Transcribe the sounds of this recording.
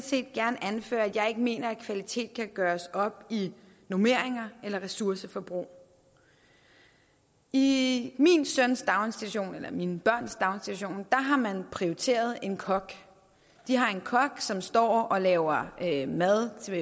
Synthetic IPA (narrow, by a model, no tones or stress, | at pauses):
sʰe̝̰ːd̥̚ɡ̥æɐnʔænfø̰ːɐæ̥jɑ̈ɪe̝ɡ̥əme̝̰ːnɐækʰʋælit͡sʰe̝̰ːd̥̚kʰæɡ̥ɶːɐsɒ̽b̥i | nome̝ɐ̰eŋɐelɐʁɛsuɐsəfɒ̽b̥ʁṵː | iminsøn̰sd̥ɑ̈ʊnsd̥id̥uɕo̝̰ːnelɐminəb̥ɶɐ̰nsd̥ɑ̈ʊnsd̥id̥uɕo̝̰ːnd̥ɑ̈ɦɑ̈mænpʰʁioit͡sʰe̝̰ːɐð̞ˠe̝nkʰɒ̽ɡ̥ | d̥iɦɑ̈e̝nkʰɒ̽ɡ̥sɒ̽msd̥ɒ̰ːɒ̽lɛːʊɐømæðˠt͡sʰe